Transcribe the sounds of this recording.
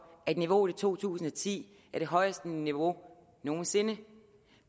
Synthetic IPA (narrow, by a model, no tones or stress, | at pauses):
æed̥niʋo̝det͡sʰo̝̰ːt͡sʰṵːsn̩ɒt͡sʰḭː | æɐɾ̥e̝ɦɒ̽ɪəsd̥əniʋo̝ | no̝ːn̩se̝nə